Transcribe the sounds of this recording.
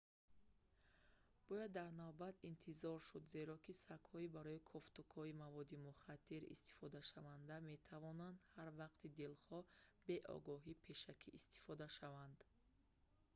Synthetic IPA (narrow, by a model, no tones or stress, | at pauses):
b̥ɔjad̪ːaɾnavbat̪int̪ʰizɔɾʃud̪ze̞ɾɔkʰisakhɔibaɾɔikʰɔft̪ukʰɔimavɔd̪imuχat̪ʰːiɾḭst̪i̥fɔd̪aʃavand̪ame̞t̪ʰavɔnand̪haɾvaqt̪ʰid̪ilχɔbe̞ʔɔ̰ɡɔɦipʰe̞ʃakʰiʔːst̪i̥fɔd̪aʃavand̪